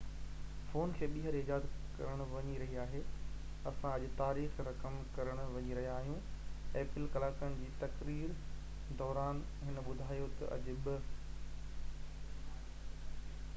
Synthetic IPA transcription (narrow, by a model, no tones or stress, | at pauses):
foːnkʰeːɓiːɦəɾɪd͡ʑaːd̪kɐ̰ɾəɽ̃ʊ̆ʋɐɲiɾɐɦiaːɦeː | ɐsãɐʄʊt̪aːɾiːxɾɐkəmkɐɾəɽ̃ʊ̆ʋɐɲiɾɐɦijaːɦijũeːpɪlkɐlaːkəɽ̃ɪ̆d͡ʑiːt̪ɐkɾiːɾ | d̪ɔːɾaːn | ɦɪnə̆ɓʊd̪ʱaːjot̪ɐ̰ʔɐ̰ʄʊ̆ɓɪ